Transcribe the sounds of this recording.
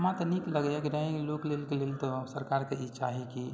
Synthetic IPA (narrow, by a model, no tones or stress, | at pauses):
mãt̪ənikləɡakɾaẽloklelkelelt̪ɔsəɾkaɾkeit͡ʃaɦiki